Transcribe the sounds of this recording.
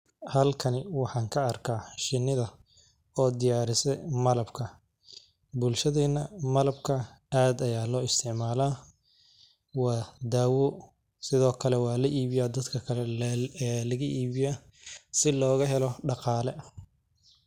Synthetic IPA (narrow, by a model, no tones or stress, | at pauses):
hɐlkʰɐnɪwɑħɑːŋkʰɐːrkʰaːʃɪnːɪðɐ | ɔːd̪ɪjaːɾɪsɛmɐlɐbkʰɐ | bʊlʃɐðɛːnːɐmɐlɐbkʰɐ | aːd̪ɐjaːlɔːɪst̪ʰɪʕmaːlaː | wɑːd̪aːwɔ | sɪðɔːkʰɐlɛwɑːlɐʔiːβɪjaːd̪ɐd̪kʰɐkʰɐlɛː | lɐɣɐʔiːβɪjaːsɪlɔːɣɐɦɛlɔɖɑqɑːlɛ